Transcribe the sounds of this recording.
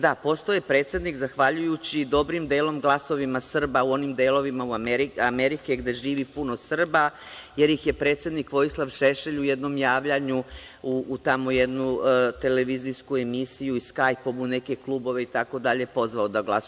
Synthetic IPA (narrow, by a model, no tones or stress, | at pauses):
d̪apo̞st̪ojepɾe̞ːt̪sjed̪nikzaxʋaʎujut͡ɕid̪o̞bɾimd̪eːlo̞mɡlˠaso̞ʋimasr̩bauo̞nimd̪eːlˠo̞ʋimauameɾiameɾikeɡd̪e̞ʒiːʋipunosr̩ba | je̞ɾjixje̞pɾe̞ːt̪sje̞d̪nikʋo̞jislˠaʋʃeʃeʎuje̞d̪no̞mjaːʋʎaɲu | uːt̪amo̞jed̪nut̪e̞leʋiziskue̞misijuiskajpomune̞keklˠubo̞ʋe̞it̪ako̞d̪aʎe̞po̞zʋaod̪aɡlˠas